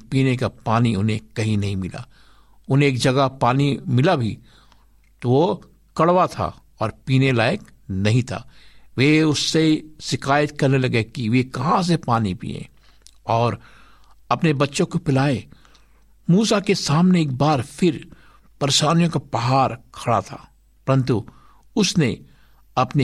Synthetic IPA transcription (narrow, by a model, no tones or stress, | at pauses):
piːnekapaːniʊnɦẽkɐɦĩnɐɦĩmɪla̰ | ʊn̤ɦẽːkd͡ʒɐɡapaːnimɪlabʱḭ | t̪oʋo | kɐɽʋat̪ʰa̰ | ɔːɾpiːnelaːək | nɐɦĩt̪ʰa̰ːʋeʊsːeʃɪkaːjət̪kɐɾnelɐɡekiʋekɐɦãs̬epaːnipḭːḛ̃ | ɔːɾ | ɐpnebɐtːʃõkopɪlaːẽ | muːsakesaːmneːk̚baːɾfʰɪɾ | pɐɾeʃaːnijõkapɐɦaːɾkʰɐɽa̰t̪ʰa̰ː | pɐɾə̃nt̪u | ʊsne | ɐpne